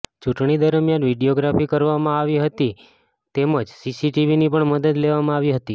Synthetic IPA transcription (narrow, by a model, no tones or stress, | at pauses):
t͡ʃuʈɳid̪əɾəmjanʋiɖioɡɾafikəɾʋamãaʋiɦət̪i | t̪eməd͡ʒsisiʈiʋinipəɳməd̪əd̪leʋamãaʋiɦət̪i